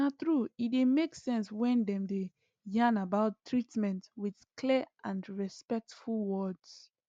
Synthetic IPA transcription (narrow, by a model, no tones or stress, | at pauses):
atɹuidemeksɛ̃nswɛ̃ndɛ̃mde | jãnabaʊtʰːɹitmɛ̃ntwið̥kʰliʔãnɹɛspɛk̚tfulˠwɔds